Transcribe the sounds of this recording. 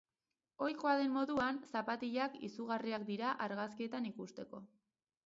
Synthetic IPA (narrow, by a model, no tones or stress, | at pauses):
o̞jkoaðe̞mmːo̞ðuansapat̪iʎakḭsuɣariakd̪iɾaʔaɾɣaskie̞t̪anikust̪e̞ko̞